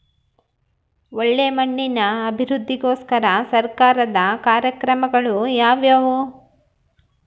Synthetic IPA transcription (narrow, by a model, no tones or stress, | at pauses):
oɭːe̞ːmɐɳːinɐːbʱiɾud̪ʱːiɡoːskɐɾɐsɐɾkaːɾɐd̪ɐkaːɾjɐkɾɐmɐɡɐɭujaːʋjaːʋu